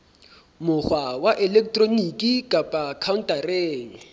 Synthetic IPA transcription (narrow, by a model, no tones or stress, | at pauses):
mʊχwawaʔɛlɛk̚tʼronikʼikʼapʼakʰaʊn̩tʼareːŋ̩